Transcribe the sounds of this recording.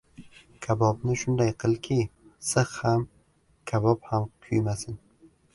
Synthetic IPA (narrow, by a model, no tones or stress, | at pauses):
kʲʰabɒbnɪʃʊnd̪ajqʰɨlˠkʲʰisɨχham | kʲʰabɒphamkʲʰʊjmasɪn